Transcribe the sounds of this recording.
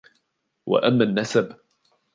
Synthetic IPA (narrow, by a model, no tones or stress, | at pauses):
wa̰ʔamːanːasab